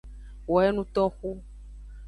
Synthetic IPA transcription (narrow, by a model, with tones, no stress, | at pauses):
wɔ˨ɛ˦nũ˦t̪ɔ˦xu˦